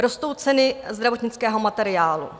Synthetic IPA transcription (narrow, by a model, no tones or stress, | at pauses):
ɾost̪o̞wt͡sɛnɪzd̪ɾavo̞t̪ɲɪt͡skɛːɦo̞mat̪ɛɾɪaːlṵ